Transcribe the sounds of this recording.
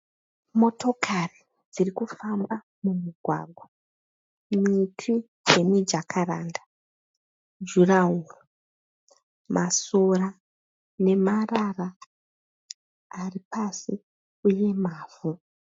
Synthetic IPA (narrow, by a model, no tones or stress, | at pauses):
mo̞to̞kʰari | d͡zirikufamba | mumiɡʱwa̰ɡʱwa | mitʰi | d͡ʒe̞mid͡ʒakʰaɾaːnda | d͡ʒuraɦuru | mʔasora | ne̞marara | aripasi | uje̞maːvu